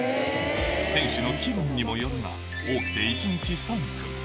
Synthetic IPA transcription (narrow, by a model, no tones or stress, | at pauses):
t̪ẽ̞ɰ̃ɕino̞kʲibɯ̟̃ɲ̟ːimo̞joɾɯna̰ | oːkʲi̥t̪e̞it͡ɕiɲ̟it͡ɕisaŋkɯ̥